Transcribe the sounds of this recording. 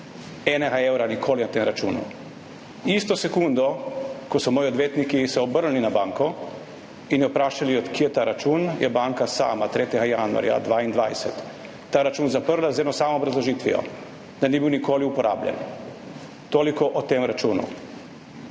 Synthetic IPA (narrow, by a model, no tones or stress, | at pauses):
ɛnɛɡaewɾanikʰoːlinat̪emɾat͡ʃuːnṵ | ist̪ɔsɛkund̪ɔkɔsɔmoːjiod̪ʋjeːt̪nikisɛɔbəɾlninabaːŋkɔ | injɔpɾaːʃaliɔt̪kiːjɛt̪aɾat͡ʃunjɛbaŋkasa̰ːmat̪ɾeːt̪ʲɛɡajanṵa̰ɾja̰d̪ʋaːind̪ʋa̰jsɛt̪ː | aːɾat͡ʃuːnzapəɾlazɛd̪nɔsaːmoːbɾazlɔʒit̪ʋḭɔ̰ | d̪̥aniːbiwnikoːliupɔɾʔa̰ːblʲjɛ̰n | t̪oːlikɔʔɔt̪emɾat͡ʃuːnṵ